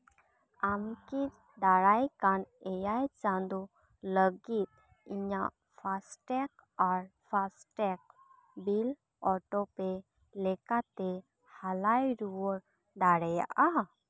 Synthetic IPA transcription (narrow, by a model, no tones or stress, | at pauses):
amkit | d̪aɽajkanɛjajt͡ʃand̪u | ləɡit̪̚ | iɲaʔ | pʰasʈɛk | aɾpʰasʈɛk̚ | bil | ɔʈɔpɛ | lɛkat̪ɛ | halajɾuwɔɾ | ɖaɽɛja̰ʔa